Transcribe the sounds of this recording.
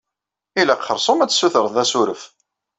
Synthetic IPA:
ilæqχəɾˤsˤomæt͡sːsːuθəɾˤθðæsuɾəf

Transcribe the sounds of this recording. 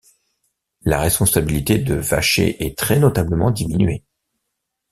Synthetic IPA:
la̰ʁɛspɔ̃sabilit̪ed̪əva̰ʃḛʔɛt̪χɛnɔt̪abləmɑ̰̃d̪iminɥe

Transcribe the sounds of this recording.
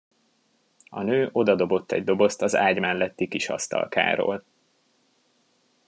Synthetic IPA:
ɒnøːʔo̞d̪ɒd̪o̞bo̞t̪ːɛ̰ɟ̚d̪o̞bo̞st̪ɒza̰ːɟmɛlːɛt̪ːikiʃɒ̰st̪ɒ̰lka̰ːɾo̰ːl

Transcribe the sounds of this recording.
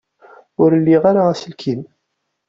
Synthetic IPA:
ʊɾlːiʁaɾaæsəlkʰim

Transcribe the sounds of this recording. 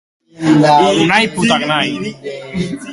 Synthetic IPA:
unajput̪aknaj

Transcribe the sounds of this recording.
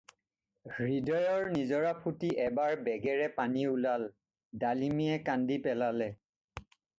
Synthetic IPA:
ɡɹidɔjɔɹnizɔɹapʰutiʔɛbaɹbɛɡɛɹɛpaniulal | dalimiɛkandipɛlalɛ

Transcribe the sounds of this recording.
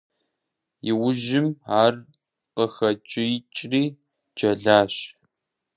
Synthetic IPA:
jɪwʊʒɪmaːr | qəxɐt͡ʃʼɪjt͡ʃʼriː | d͡ʒɐɮaːɕ

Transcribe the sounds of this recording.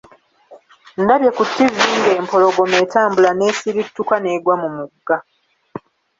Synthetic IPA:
ndaβje̞kutːiviːŋɡe̞ːmpo̞lo̞ɡo̞me̞ːtaːmbulane̞ːsiɾitːukane̞ːɡwamumuɡːa

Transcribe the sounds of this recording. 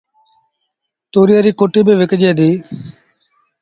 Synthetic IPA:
t̪oːɾɪjaːɾiːkoːʈiːbeːʋɪkd͡ʒeːd̪iː

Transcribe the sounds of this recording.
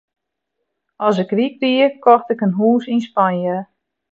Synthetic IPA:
ɔs̬əkrik̚dikɔxtɪkənɦuːsinspanjə

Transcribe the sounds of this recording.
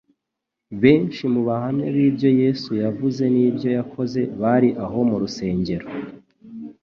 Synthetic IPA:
βe̞ːnʃimuβahamɲaβiːbjo̞je̞ːsujavuze̞niːbjo̞jakʰo̞ze̞βaɾiʔaɦo̞muɾuse̞ːɲɟe̞ɾo

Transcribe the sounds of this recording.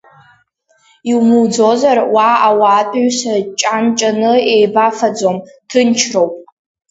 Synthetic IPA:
iwmud͡zo̞zarwaawaːtʼaɥsat͡ʃʼant͡ʃʼanɨejbafad͡zo̞mtʰɨnt͡ʃʰrowpʼ

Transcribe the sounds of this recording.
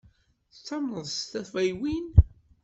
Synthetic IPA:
θt͡sːɑməðˤt̪æθvæjwin

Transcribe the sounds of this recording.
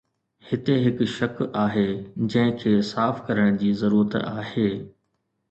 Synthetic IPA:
hɪt̪eɦɪkʃɐkaːɦeːd͡ʑɐ̃ɦɪ̃kʰeːsaːfkɐɾəɽ̃d͡ʑiːzɐɾuːɾət̪aːɦeː

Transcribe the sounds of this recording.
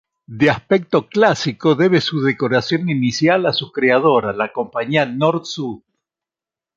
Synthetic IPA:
d̪easpek̚t̪o̞klasikoðe̞β̞esuðeko̞ɾasjo̞ninisjalasukɾeað̞oɾalako̞mpaɲianoɾt̪suð

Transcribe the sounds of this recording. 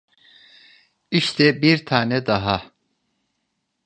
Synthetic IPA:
iʃt̪ʰɛbiɾt̪ʰaːnɛd̪aɦa

